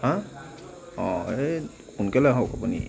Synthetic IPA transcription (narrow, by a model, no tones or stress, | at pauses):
ɦã | ɔ̃e | kunkɛlɛɦokapunḭ